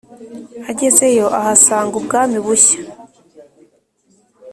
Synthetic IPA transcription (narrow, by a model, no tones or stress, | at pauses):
aɟe̞ze̞jo̞ʔahasaːŋɡubɡaːmiβuçḁ